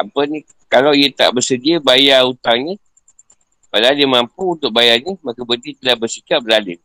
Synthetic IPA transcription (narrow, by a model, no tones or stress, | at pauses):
apəni | kalawiət̪a̰ʔbərsədiəbajaut̪aŋɲə | bəlalɪmampuːnt̪ʊk̚bajaɲəmakəbədit̪əlahbəsikap̚bəlalɪ